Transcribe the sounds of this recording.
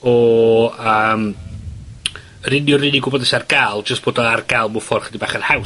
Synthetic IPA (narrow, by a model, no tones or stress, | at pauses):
ɔ | əːm | rɪnjɔrɪniɡʊbɔdɛsarɡaːlˠd͡ʒəstb̥oːdɔarɡalˠmʊfɔrχədibaːχənhaw